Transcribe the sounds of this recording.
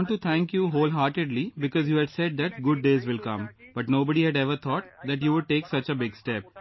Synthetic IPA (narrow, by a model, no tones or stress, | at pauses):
ɳʈːut̪ʰæ̃ŋkjuɦoːlɦaːɾʈɪɖlibɪkɔːzjuːɦɛɖsɛɖ̚d̪æʈ̚ɡʊɖːeːzʋɪlkʌ̃mb̥ʌʈnoːbəɖiɦɛɖɛʋəɾt̪ʰɔːʈd̪æʈjuːʋʊɖ̚ʈeːksʌt͡ʃəbɪɡsʈɛp̚